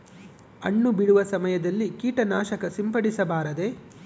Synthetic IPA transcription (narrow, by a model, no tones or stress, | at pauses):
ɐɳːubiɽuʋɐsɐmɐjɐd̪ɐlːikiːʈɐnaːʃɐkɐsimpɐɽisɐbaːɾɐd̪e̞